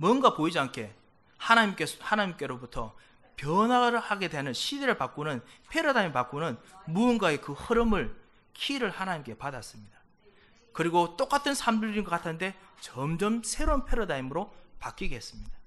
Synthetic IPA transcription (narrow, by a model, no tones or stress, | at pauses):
mʌnɡapoid͡ʑiankʰe̞ | hanaɲimk͈ehanaɲimk͈e̞ɾobutʰʌ | pjʌnwahaɡe̞dwenɯnɕʰideɾɯɭpak͈onɯnpʰe̞ɾodaimpak͈onɯnmunɡae̞kɯhɯɾɯmɯɭ | kʰiɾɯɭhanaɲimk͈e̞padas͈ɯmɲid̥a | kɯɾiɡot͈ok͈atʰɯnsʰamd͡ʑuɭɾinɡʌk͈atʰande̞t͡ɕʌmd͡ʑʌmsʰe̞ɾonpʰeɾodaimɯɾopak͈iɡees͈ɯmɲid̥a